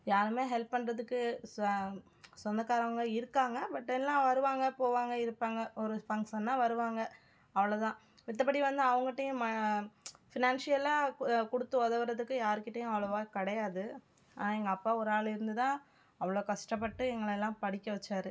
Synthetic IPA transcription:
jaːɾɯmeːɦɛlpːɐɳɾɐðɯkːɯ | sɔnd̪ɐkaːɾɐʋɐŋɡɐɪɾɯkːaːŋɡɐbɐʈːɛlːãːʋɐɾɯʋaːŋɡɐpoːʋaːŋɡɐɪɾɯpːaːŋɡɐɔɾɯpɐŋsɐnːãːʋɐɾɯʋaːŋɡɐ | ɐʋɐɭoːt̪ãː | ʋɪt̪ːɐpːɐɽiʋɐnd̪ɯɐʋɐŋɡɐɪʈːɐjʊ̃mɐ | fɪnaːnsɪjɐlaːkʊɽɯt̪ːɯʋɐðɐʋɐɾɐðɯkːɯ̃jaːɾɯkːɪʈːɐjʊ̃ɐʋɐɭɐʋaːkɐɽɐjaːðɯ | a̰ːnːɛŋɡɐːpːaːɔɾɯaːɭɪɾɯnd̪ɯt̪ãː | ɐʋɐɭoːkɐʂʈɐp̬ːɐʈːɯɛŋɡɐɭɛlːãːpɐɽɪkʲːɐʋɐt͡ʃːaːɾɯ

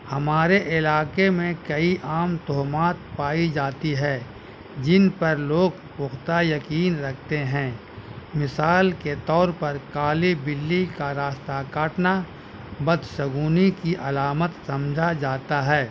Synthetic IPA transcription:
hɐmaːɾeʔɪlaːkemẽkɐiʔaːmt̪ɔɦmaːt̪̚paːid͡ʒaːt̪iɦɛː | d͡ʒɪnpɐɾloːɡ | pʊxt̪ajɐkiːnɾɐkʰt̪eɦɛ̃ː | mɪsaːlket̪ɔːɾpɐɾkaːlibɪlːikaɾaːst̪akaːʈna | bɐd̪ʃɐɡuːnikiʔɐlaːmət̪sɐ̃md͡ʒʱad͡ʒaːt̪aɦɛː

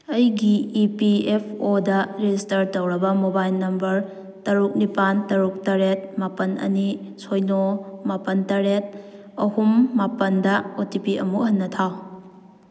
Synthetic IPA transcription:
ɐjɡiːpiepʰodɐɾed͡ʒistɐɾtɐwɾɐbɐmobajlnɐmbɐɾ | tɐɾuk̚nipantɐɾuk̚tɐɾet̚mapɐnɐ̰nisojnomapɐntɐɾet̚ | ɐhumːapɐndɐotipiɐ̰muɦɐnːɐtʰaw

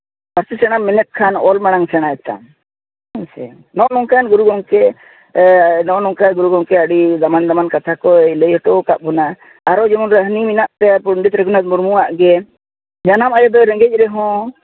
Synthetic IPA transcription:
aɾsisɛɽ̃amːinɛt̪̚kʰanɔlmaɽ̃aŋsɛɽ̃aɛt̪a̰m | sɛ̰ | nɔʔnɔŋkanɡuɾuɡɔŋkɛ | nɔʔnɔŋkaɡuɾuɡɔŋkɛəɽizamand̪amankat̪ʰakɔiləjɔʈɔkaʔ̚bɔna | aɾɔd͡ʒɛmɔnɾəɦniminaʔt̪ɛapuɳɖit̪ɾɛɡunad̪muɾmuaʔɡɛ | d͡ʒanamajɔd̪ɔɾɛ̃ŋɡɛc̚ˀɾɛɦɔ̃

